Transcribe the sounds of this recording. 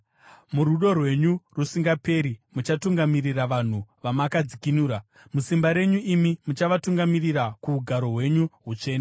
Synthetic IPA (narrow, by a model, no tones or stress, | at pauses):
muɾuɗo̞rwe̞ɲurusiŋɡape̞ːɾimut͡ʃatuŋɡamiriraʋan̤uʋamakad͡zikinuːɾa | musimbaɾe̞ɲuimimut͡ʃaʋatuŋɡamiriɾakuːɡʱaɾo̞ɦwe̞ɲuɦut͡ʂe̞ːn